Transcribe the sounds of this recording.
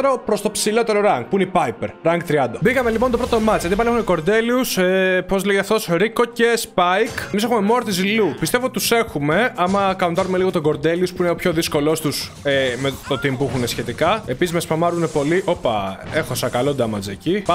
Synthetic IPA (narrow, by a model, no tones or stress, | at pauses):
ɾopɾo̞st̪opsilo̞t̪e̞ɾo̞ɾɐŋɡ̚puineipɐipeɾɾɐŋɡ̚t̪ɾiɐnd̪ɐbiɣɐmelipont̪opɾot̪omɐt͡sjɐt̪ipɐlie̞xuneko̞ɾd̪e̞liusepo̞zðleʝet̪ɐft̪osɾiko̞ce̞spɐjkmisxume̞mo̞ɾt̪izilupist̪e̞vot̪it̪u̥se̞xume̞ɐmɐkɐnunt̪ɐɾume̞liɣo̞t̪oɡo̞ɾd̪e̞liuspuineopço̞ðisko̞lo̞st̪us | emet̪o̞t̪impuixunesçe̞t̪ikɐepisizmespɐmɐɾune̞po̞liʔo̞pɐe̞xo̞sɐkɐlo̞nd̪ɐmɐzecip